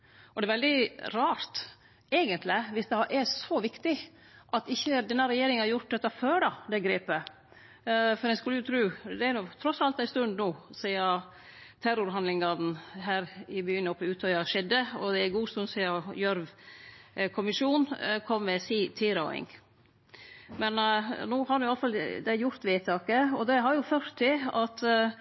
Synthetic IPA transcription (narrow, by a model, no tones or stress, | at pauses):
ʔɔd̪ɛɾʋɛld̪ɪɾɑːɾt̪ | eːɡənt̪lɪʋɪsd̪ɛʔɛsɔʋɪkt̪ɪ | ʔɑt̪ɪçːəd̪ɛnːɑɾɛjeːɾɪŋnhɑɾjʊʈ̪̚d̪ɛt̪ːɑføːɖɑd̪ɛɡɾeːpə | fɔɾɛskʉlːəjʊt̪ʰɾʉːd̪ɛæɾnɔt̪ʰɾɔsɑlt̪æɪst̪ʉnd̪nuːsiːɑ | t̪ʰæɾʊɾɦɑnlɪŋɑd̪n̩ɦæːɾɪbyːənɔpːəʉːt̪ʰɑɑɑʂɛd̪ːəɔd̪ɛæɡuːst̪ʉnsiːɑjœɾʋ | kʰʊmɪʂuːnkʰɔmːɛsiːt̪ʰiːɾɑɪ̰ŋ | mɛnnuːhɑɾdʉnjʊɑləfɑld̪æjʊɾt̪ʋeːt̪ʰɑːkəɔd̪ɛɦɑɾjʊføːɾt̪ʰːɪɑt̪